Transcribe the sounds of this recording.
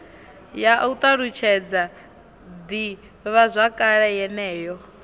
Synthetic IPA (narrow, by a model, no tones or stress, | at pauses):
jaut̪ʼaɺut͡ʃʰɛd͡za | d̪i | βazʷakʼaɺɛjɛnɛːjɔ